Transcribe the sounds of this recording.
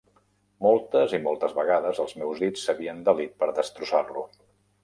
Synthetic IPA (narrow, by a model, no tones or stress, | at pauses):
mɔlˠt̪əzimɔlˠt̪əzβəɣaðəzəlˠzmɛwzðit͡sːəβiənd̪əlit̪̚pəɾðəst̪ɾusarlu